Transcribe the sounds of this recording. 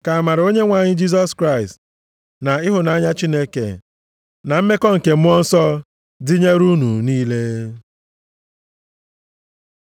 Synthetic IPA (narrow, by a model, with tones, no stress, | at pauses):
ka˨a˨ma˨ɾɪ˨o˦ɲe˦ŋʷa˨ɲɪ˦d͡ʒi˦s̬ɔ˦skɾa˦ɪ˨st | na˨ɪ˦ɦʊ˨na˨˦ɲa˦t͡ʃi˦ne˦kḛ˨ | na˨m̩˦me˦kɔ˦ŋ̩˨ke˨m̩˦ɔ˦n̩˦sɔ˦ | dɪ˦ɲe˦ɾu˦nu˨niː˦le˦